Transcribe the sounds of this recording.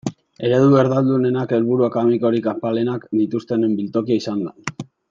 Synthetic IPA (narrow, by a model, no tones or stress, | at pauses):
e̞ɾe̞ðueɾðald̪une̞nake̞lβuɾuakamiko̞ɾikapale̞nakd̪it̪ust̪e̞nembilt̪o̞kiaisand̪a